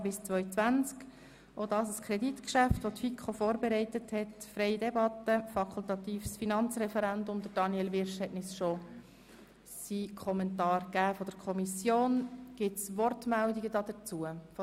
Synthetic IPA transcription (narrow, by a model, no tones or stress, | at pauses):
bɪst͡sʋœʏt͡sʋænt͡sk | odɑːsəskʰɾɛdit̪kʃæftʋot̪fikʰofoːɾbeɾɛɪtəthɛtfɾɛɪidɛbɑtːəfɑkʰult̪ɑt̪iːfsfinɑnt͡sɾɛfɛɾænd̪ʊmdəɾd̥ɑnjɛlʋɪɾʃhɛtnɪsʃo | sikʰɔmɛntɑːrɡ̥æːfɔd̥əɾkʰɔmisjoːnɡ̥ɪtsʋɔrtmældiɡədɑd̥̪əɾt͡suəfo